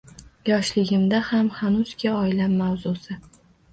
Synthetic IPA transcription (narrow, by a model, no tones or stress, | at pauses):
jɒʃlɪɡʲɪmd̪ahamhanʊzkʲaɒɪlamːawzʊsɪ